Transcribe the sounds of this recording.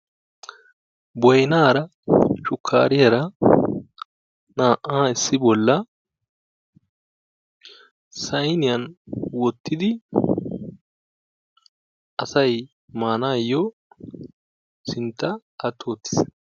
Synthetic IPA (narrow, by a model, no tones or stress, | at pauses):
bɔjɪnaːɾɐ | ʃʊkʰːa̰ːɾɪjɐɾɐ | naːʔːaːɪsːɪbɔlːɐ | sɐjnɪjɐnwɔt̪ʰːɪd̪ɪ | ɐsɐj | maːnaːjːɔ | sɪnt̪ːɐ | ɐt̪ʰːoːt̪ːɪ̥s